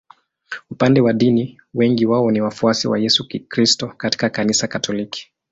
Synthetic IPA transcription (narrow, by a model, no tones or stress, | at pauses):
upandɛwaɗini | wɛŋɡiwaɔniwafuasiwa̰jɛsukɾistɔkati̥kakanisakatʰɔliki̥